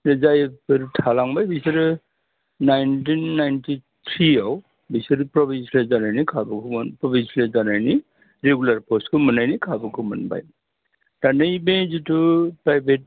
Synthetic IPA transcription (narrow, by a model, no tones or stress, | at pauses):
ɾezajpɯɾtʰalaŋbajbisɯɾɯ | najntinːajntit̪ʰɾiaw | bisɯɾɯpɾɔbinslezanajnikʰabɯkʰunpɾɔbinslezanajni | ɾeɡulaɾpɔskʰɯmɯnajnikʰabɯkʰɯmɯnba̰j | ɾanɯjbezitupajbʱet̚